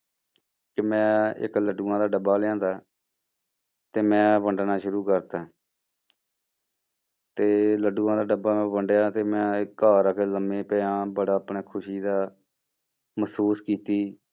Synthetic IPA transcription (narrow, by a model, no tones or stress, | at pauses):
kɪmɛ̃ːɪ̰kləɖuːãːd̪aːɖəbaːlãːd̪aː | t̪eːmɛ̃ːpəɳɖnaːʃʊɾuːkəɾt̪aː | t̪eːləɖuːãːd̪aːɖəbaːmɛ̃ːbəɳɖjaːt̪eːmɛ̃ːaːɾəkːləmẽːpɛːãːbəɽaːəpɳeːkʰʊʃiːd̪aː | məsuːskiːt̪iː